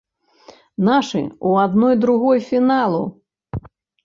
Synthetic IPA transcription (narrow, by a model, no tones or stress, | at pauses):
naʂɨ̰uad̪nɔjd̪ɾuɣɔjfʲinalˠu